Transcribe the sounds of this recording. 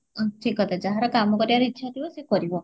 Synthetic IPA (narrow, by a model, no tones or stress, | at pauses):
ʈʰikɦɔt̪ad͡ʒaɦaɾɔkamɔkɔɾibaɾuitːʃʰat̪ʰibɔsekɔɾibɔ